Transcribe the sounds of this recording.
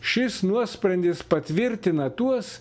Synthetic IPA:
ʃʲɪsnuɔsʲpʲɾɐnd̪ʲɪspɐt̪ʲʋʲɪɾʲt̪ʲɪnɐt̪uɔs

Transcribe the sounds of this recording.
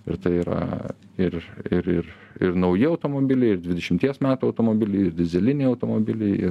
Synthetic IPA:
ɪɾt̪ɐɪiːɾɐ̰ | ɪrɪɾɪr | ɪɾnɐʊjɪɐʊt̪oːmoːbʲɪlʲɛɪɪrd̪ʲʋʲɪd̪ʲɛʃʲɪmt̪ʲiɛsmʲæːt̪uɐʊt̪oːmoːbʲɪlʲɛɪɪrd̪ʲɪzʲɛlʲɪnʲɛɪɐʊt̪oːmobʲɪlʲɛɪɪ̰

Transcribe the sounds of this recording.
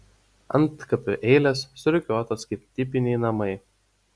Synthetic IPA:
ɐ̰nˑt̪kɐpʲʊʔɛɪlʲɛsːʊɾʲʊkʲoːt̪oskɐɪp̚t̪ʲɪpʲɪnʲɛɪnɐmɐɪ

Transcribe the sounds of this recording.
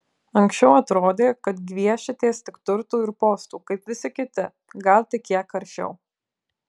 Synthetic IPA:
ɐŋʲksʲt͡ʃʲɛʊɐt̪ɾoːd̪ʲeːkɐt̪ɡʲʋʲiɛʃʲɪt̪ʲeːst̪ʲɪkt̪ʊɾt̪uːɪɾpoːst̪uːkɐɪpʋʲɪsʲɪkʲɪt̪ʲɪ | ɡɐlˠt̪ʲɪkʲiɛkɐɾʲʃʲɛ̰ʊ

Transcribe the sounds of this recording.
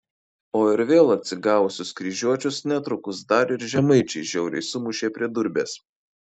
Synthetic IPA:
oːɪɾʋʲeːlˠɐt̪ʲsʲɪɡɑːʊʊsʲʊskɾʲiʒʲuɔt͡ʃʲʊsnʲɛt̪ɾʊkʊsd̪ɐɾɪɾʒʲɛmɐɪt͡ʃʲɛɪʒʲɛʊɾʲɛ̰ɪsʊmʊʃʲeːpʲɾʲiɛd̪ʊɾʲbʲḛːs

